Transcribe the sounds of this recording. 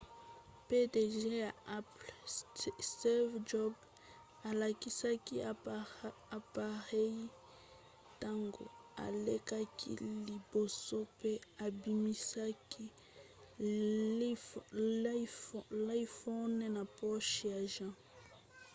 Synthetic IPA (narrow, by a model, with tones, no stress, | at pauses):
pe˦de˨ʒe˦ja˨a˦pl | ɛ˦vd͡ʒɔ˦b | a˨la˨ki˨sa˦ki˦ | a˨pa˨ʁɛ˦i˦ | ta˦ŋɡo̰˨a̰˨le˦ka˦kʰḭ˦li˨bo˨so˦pe˦a˨bi˨mi˦sa˦ki˦ | la˦i˦fɔ˦nɛ˦na˨pɔ˦ʃja˨ʒã˦